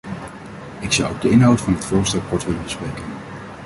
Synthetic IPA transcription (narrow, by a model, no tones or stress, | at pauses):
ɪksʌ̰wob̚dəɪnɦawtfɑnɦətfʊːɹstɛlˠkɔɹtʋɪlənbəsprejkən